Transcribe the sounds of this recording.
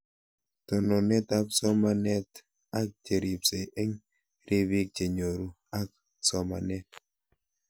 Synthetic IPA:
tɔ˨nɔ˨nɛ˦ta˦psɔ˦ma˦nɛ˦t | a˦k̚t͡ʃe˨ɾi˨pse˨e˦ɲ | ɾi˦βi˦k̚t͡ʃe˨ɲo˨ɾu˦ | a˦k̚ | sɔ˨ma̰˨nɛ˦t̚

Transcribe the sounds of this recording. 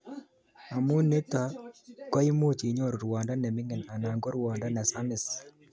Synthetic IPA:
a˨mu˦ne˦ta˨kɔ˦ɪ˦mo˦t͡ʃi˨ɲo˦˨ɾɾwa˨nda˦nɛ˨mɪ˦ŋɛ˨na˨na˨ŋɡɔ˦ɾwa˨nda˦na˨sa˦mɪ˨s

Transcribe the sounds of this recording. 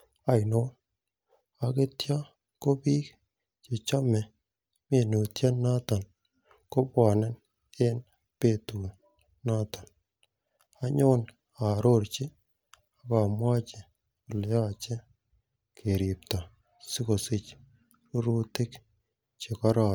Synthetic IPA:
a˨jno˦n | a˨ke˦tja˦ | ko˦bi˦k | t͡ʃe˨t͡ʃa˦mɛ˨ | me˨no˨tja˦na˦ta˨n | ko˦bwa˨nɛ˦n | e˦n | pe˦˨tu˨ | na˦t̪a˨n | a˦ɲo˦n | a˨ɾo˦˨ɾt͡ʃɪ˦ | a˦ka˨mwa˦t͡ʃe˨ | o˨le˨ja˦˨t͡ʃe˦ | kʰe˨ɾi˨pta˨ | si˦ko˨sɪ˦t͡ʃ | o˦ɾu˦tɪ˦k | t͡ʃe˨ka˦ɾa˨

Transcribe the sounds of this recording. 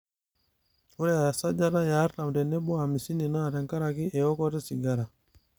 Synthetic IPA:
u˦ɾɛ˦a˨a˨sa˦d͡ʒa˦ɾa˦ja˨˦ɾta˨m˨dɛ˨nɛ˦bɔ˦a˨mi˨si˦ni˨naː˦˨ɾɛ˨ŋka˦ɾa˨ki˦ʔɛ˨ɔ˦kɔ˦ɾɛ˦si˨ɡa˦ɾa˨

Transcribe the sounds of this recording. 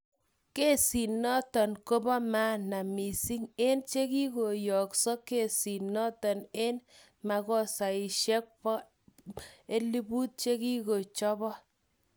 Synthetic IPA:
ke˦si˨nɔ˦tɔ˨nko˦bɔ˦ma˦na˨mi˨si˦ŋe˦nt͡ʃe˦ki˦ko˨jɔ˨ksɔ˦ke˨si˨nɔ˦tɔ˨ne˦n | ma˨kɔ˦sa˨i˨ʃɛ˦k̚pɔ˦ | e˦li˦bu˦t̚t͡ʃe˦ki˦ko˨t͡ʃɔ˦bɔ˦

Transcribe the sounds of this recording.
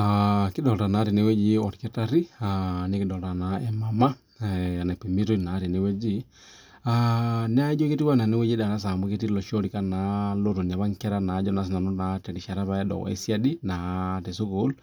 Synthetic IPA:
aki˦dɔ˨lta˨na˨˦te˨ne˦we˦d͡ʒi˦ɔ˨ɾke˦ta˦ɾi˦ane˦ki˦dɔ˨lta˨na˨e˨ma˨ma˦ | a˨na˨pe˨me˦to˦˨na˨˦te˨ne˦we˦d͡ʒi˦ | ane˦a˦i˦d͡ʒo˦ke˦ti˦wa˦na˨ne˦we˦d͡ʒi˦da˨ɾa˦s̬a˨mbo˦ke˦ti˦lɔ˨ʃɔ˦ɾi˨ka˦na˨˦lo˦ɾo˨n˨a˨βa˦ŋkɛ˦ɾa˦na˨˦d͡ʒɔ˦na˨s̬i˦na˨nɔ˦na˨tɛ˨ɾi˨ʃa˨ɾa˦βa˦ɛ˦dɔ̰˨ɣɔ̰˨ḛ˦si˦a˦di˦na˨te˨so˦ko˦l

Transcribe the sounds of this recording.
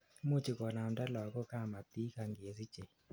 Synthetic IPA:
mu˦t͡ʃi˨kɔ˨na˨mda˦lɔ˨ɡɔ˦ka˦˨ma˨t̪i˦ka˨ŋɡe˨si˦d͡ʒe˨

